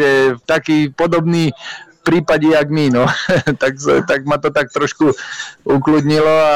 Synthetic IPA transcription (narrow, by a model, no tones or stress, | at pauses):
ɛft̪akiːpɔd̪ɔbniːpɾiːpaɟɛaɡminɔt̪akst̪aɡ̚mat̪ɔt̪ak̚t̪ɾɔʃkuuklud̪ɲilɔa